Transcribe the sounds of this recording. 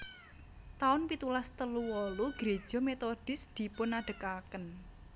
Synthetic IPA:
t̪aʊnpit̪ulast̪əluwɔluɡ̥ɾe̥ʒ̥ɔ̤met̪od̥ɪ̤sd̪̥i̤pʊnaɖ̥ə̤kakən

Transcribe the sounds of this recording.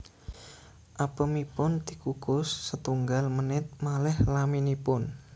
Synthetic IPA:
ʔapəmipʊnt̪ikukʊsːət̪uŋɡalmənɪt̪̚malɛhlaminipʊn

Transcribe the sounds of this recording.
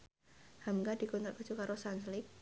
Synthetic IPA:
hamɡadikɔnt̪ɾakə̥t͡ʃukaɾʔosanslɪk̚

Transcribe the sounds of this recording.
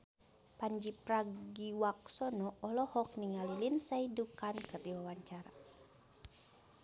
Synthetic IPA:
paɲd͡ʒipraɡiwak̚sɔnɔɔlɔhɔk̚niŋalilinsaidukankərdiwawaɲt͡ʃaɾa

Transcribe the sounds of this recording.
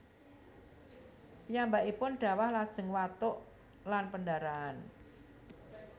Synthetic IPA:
pijambaʔipʊnɖ̥a̤wahlad̥ʒ̥ə̤ŋwat̪ʊʔ | lanpəndaɾaːn

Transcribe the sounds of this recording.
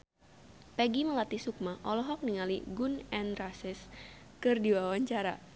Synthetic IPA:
pɛɡiməlat̪isuk̚maʔɔlɔɦɔk̚niŋalḭɡunɛnrasɪs | kɨrdiwawaɲt͡ʃaɾa

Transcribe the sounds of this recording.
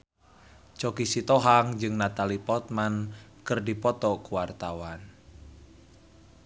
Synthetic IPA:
t͡ʃɔkisit̪ɔɦaŋd͡ʒɨŋnat̪alipɔt̪̚mankɨrdipɔt̪ɔkuwart̪awan

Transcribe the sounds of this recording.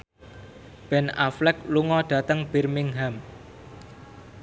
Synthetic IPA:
b̥ɛna̰flɛk̚luŋɔɖ̥ä̤t̪əŋb̥ɛ̤rmɪŋɦam

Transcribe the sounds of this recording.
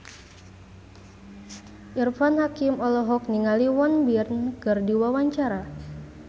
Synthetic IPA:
ʔirfanhakimɔlɔɦɔk̚niŋaliwɔnbirnkɨrdiwawaɲt͡ʃaɾa

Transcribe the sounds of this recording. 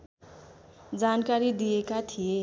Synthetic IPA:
d͡zankaɾid̪ijekat̪ʰije

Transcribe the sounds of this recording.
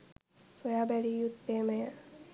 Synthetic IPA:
sojaːbælijut̪ːeːmejə

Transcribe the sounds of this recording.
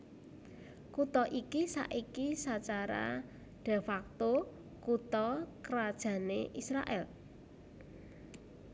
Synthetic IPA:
kut̪ɔʔikisa̰ʔikisat͡ʃaɾa̰ | ɖ̥e̤fak̚t̪o | kut̪ɔkəɾad̥ʒ̥ä̤neʔisɾa̰ʔɛ̰l

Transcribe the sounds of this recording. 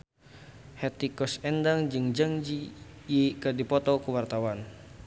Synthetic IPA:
hɛt̪ikɔsɛndaŋd͡ʒɨŋd͡ʒaŋd͡ʒijekadipɔt̪ɔkəwart̪awan

